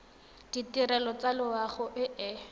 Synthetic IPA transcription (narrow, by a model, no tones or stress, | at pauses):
d̥itirɛlɔt͡salɪwaχʊʔɪʔɛ